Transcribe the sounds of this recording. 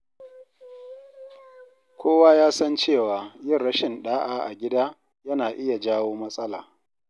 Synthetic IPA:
kʷʰoː˦waː˦jaː˦sɐ˦nt͡ʃeː˦˨waː˨jɪ˦˨nːɐ˦ʃɪ˨nɗaː˦ʔaː˦ʔa̰˨ɡʲɪ˦daː˦ | jɐ˦naː˨ʔɪ˦ja˨d͡ʒaː˦woː˦mɐ˦sʼɐ˦laː˨

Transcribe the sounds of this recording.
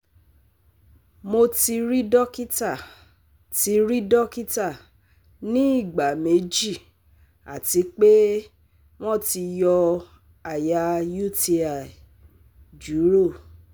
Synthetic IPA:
mo˧ti˧ɾi˦dɔ˦ki˦ta˦˨ | ti˧ɾĩ˦dɔ˦ki˦ta˦˨ | nĩ˦i˦˨ɡ͡ba˨me˨˦d͡ʒi˦˨ | a˨ti˨˧˦k͡pe˦ | w̃ɔ̃˦ti˧jɔ˧ | a˨ja˧ju˦˨ti˧a˨ | d͡ʒu˨˦ɾo˦˨

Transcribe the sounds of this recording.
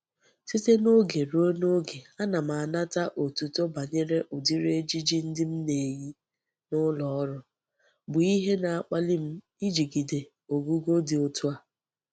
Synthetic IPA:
si˦te˦no˦ɡe˨ɾo˦no˦ɡe˨a˦na˨m̩˨a˨a˨na˦ta˦ʔo˨tu˨to˦ba˨ɲe˦ɾe˦ʔʊ˨di˦ɾe˦d͡ʒi˦d͡ʒi˦n̩˦dɪ˦m̩˦ne˨ji˦ | nʊ˦lɔ˨ɔ˦ɾʊ˨ | bʊ˨i˦ɦe˦na˨a˨k͡pa˦lɪ˦m̩˦ | i˦d͡ʒi˨ɡi˨de˨ | o˨ɡu˦ɡo˦dɪ˨o˦tʰu˦a˨

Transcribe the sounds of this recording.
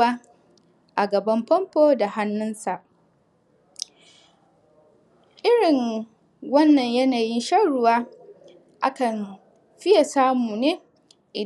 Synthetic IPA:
aː˦ | ʔa˨ɡɐ˨bɐ˦mpɔ˦mpoː˦da˨ha˦nːʊ˦nsa˨ʔ | ʔɪ˦ɽɪ˨ŋ | wɐ˦nːɐ˨ɲjɐ˦naː˨jɪ˦nʃɐ˦ɽʊ˦waː˦ | ʔa˦kɐ˨n | ɸɪ˦ja˨saː˦muː˨neː˦ | ʔɪ˨

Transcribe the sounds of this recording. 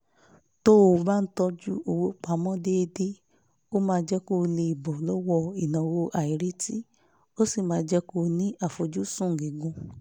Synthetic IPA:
to˦o˧˨˦ba˦n̩˦tɔ˧d͡ʒu˦o˧wo˦˨k͡pa˨˦mɔ̃˦de˦e˧de˦ | o˦mãː˧˦d͡ʒɛ˦ko˦˧le˧i˨bɔ˨lɔ˦wɔ˧i˨nɔ̃˨wo˧ʔa˨i˨ɾi˨˦ti˦ | o˦si˦˨mãː˨˦d͡ʒɛ˦ko˦˧nĩ˦ʔa˦˨fo˨d͡ʒu˦sũ˦˨ŋ̩˨ɡe˨ɡũ˧

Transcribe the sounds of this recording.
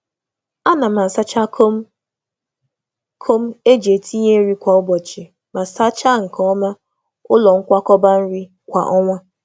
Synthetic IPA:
a˦na˨ma˨sa˦t͡ʃa˦k | kʰo˦m̩˦e˦d͡ʒe˨ti˦ɲe˦ɾi˦kʷa˨ʊ˦bɔ˨t͡ʃe˨ | ma˨sa˦t͡ʃa˦ŋ̩˨kɔ˦ma˦ | ʊ˦lɔ˨ŋ̩˦kʷa˦kɔ˦ba˦n̩˦ɾi˦ | kʷa̰˨ʔɔ˦ŋʷa˦

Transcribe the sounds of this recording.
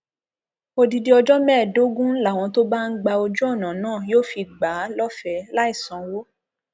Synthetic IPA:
o˧di˧di˧˦ɔ˧d͡ʒɔ˦mɛ̃ː˦˨do˨˦ɡũ˦n̩˦la˦˨w̃ɔ̃˨˧˦to˦ba˦ŋ̩˦ɡ͡ba˧o˧d͡ʒu˦ɔ˦˨nã˨nãː˦˨joː˦˨fi˧ɡ͡ba˨˦lɔ˦fɛ˧˦la˦i˦˨sã˨wo˦

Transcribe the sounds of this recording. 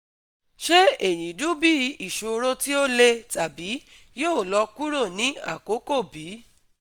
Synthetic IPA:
ʃe˦e˨jĩ˨du˦bi˦i˦˨ʃo˨˧ɾo˧ti˦o˦le˧ta˨bi˨˦ | jo˦˨lɔ˧ku˦ɾo˦˨nĩ˨˦a̰˦˨ko˨˦ko˦˨bi˨˦

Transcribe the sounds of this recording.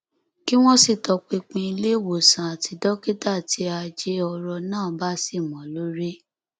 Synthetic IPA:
ki˦w̃ɔ̃˦si˦˨tɔ˧k͡pe˧k͡pĩ˧i˧le˦˨wo˨sã˨a˨ti˨˧dɔ˦ke˦ta˦˨ti˧˦a˧d͡ʒe˦ɔ˧ɾɔ˧nãː˦˨ba˦si˦˨mɔ̃˨lo˦ɾe˦

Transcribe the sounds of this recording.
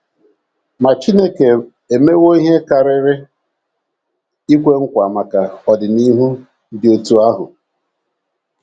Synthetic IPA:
ma˨t͡ʃi˦ne˦ke˨ | e˨me˦wo˦i˦ɦe˦ka˨ɾɪ˦ɾɪ˦ | i˦kʷe˦ŋ̩˦kʷa˨ma˨ka˨ɔ˨dɪ˨ni˦ɦu˦ | dɪ˨o˨tu˨a˦ɦʊ̰˨

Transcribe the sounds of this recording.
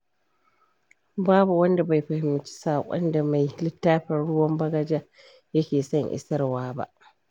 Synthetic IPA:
baː˦bu˨wɐ˦nda˨ba˨jɸɐ˨hɪ˨mːɪ˨t͡ʃi̥˦saː˨kʷʼɐ̰˦nda˨ma˨jlɪ˦tːaː˦ɸɐ˨ɽʊ˦wɐ˦mbɐ˦ɡɐ˦d͡ʒa˦ | jɐ˦kʲeː˨sɐ˦˨ŋʔɪ̰˨sɐ˦rwaː˦ba̰˦˨ʔ

